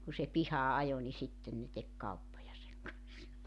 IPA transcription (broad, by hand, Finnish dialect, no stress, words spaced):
ku se pihɑː ɑjo ni sitːen ne tek kɑupːojɑ seŋ kɑnsːɑ